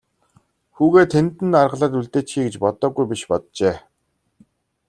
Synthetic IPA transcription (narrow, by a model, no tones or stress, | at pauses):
xuːɣeːt̪ʰːent̪ɘ̆narʁə̆ɮaːt̪uɮt̪eːt͡ɕxiːɡet͡ɕpɔt̪ɔːɡujpʲiʃpɔt̪̚t͡ɕeː